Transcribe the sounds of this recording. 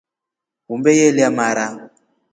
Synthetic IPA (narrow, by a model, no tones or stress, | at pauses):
ɣumbɛjeliamaɾa